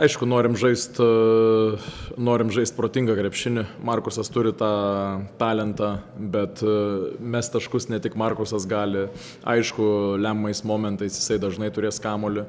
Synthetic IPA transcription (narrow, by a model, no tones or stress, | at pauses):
ɐɪʃkʊnoːɾʲɪmʒɐɪst̪ | noːɾʲɪmʒɐɪsʲt̪̚pɾoːt̪ʲɪŋɡɐkɾʲɛpʲʃʲɪnʲɪmɐrkʊsɐst̪ʊɾʲɪt̪ɑːt̪ɑːlʲɛnt̪ɑbʲɛt̪mʲɛst̪ɐʃkʊsnʲɛt̪ʲɪkmɐrkʊsɐsɡɑːlʲɪ | ɐ̰ɪʃkʊlʲæmːɐɪsmoːmʲɛnt̪ɐɪsjɪsɐɪd̪ɐʒnɐɪt̪ʊɾʲeːskɑːmoːlʲɪ